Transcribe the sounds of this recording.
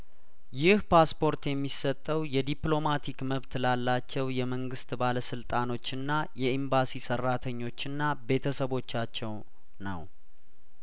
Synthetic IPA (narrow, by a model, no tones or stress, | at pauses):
jɪhpʰaspʰo̞ɾt̪jɛmːisət̪ʼːəwjɛd̪iplo̞mat̪ʰikməβt̪lalːat͡ʃːɛwjɛməŋɡɨst̪baləsɨlt̪ʼano̞t͡ʃːɨnːajɛimbasisərːat̪ʰəɲːo̞t͡ʃːɨnːabe̞t̪ʰəsəβo̞t͡ʃːat͡ʃːɛw | nə̰w